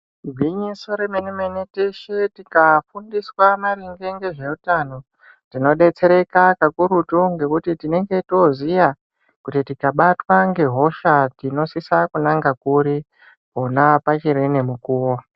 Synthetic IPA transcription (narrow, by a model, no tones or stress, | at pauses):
ɡʱwiɲiso̞ɾemeneme̞neteʃetikafundiswamaɾiŋɡeŋɡe̞ʐe̞utano̞ | tino̞ɗe̞t͡se̞ɾe̞kakakuɾutuŋɡe̞kutitine̞ŋɡe̞to̞zija | kutitikaɓatwaŋɡe̞ɦo̞ʃatino̞sisakunaŋɡakuɾi | ponapat͡ʃiɾenemukuːwo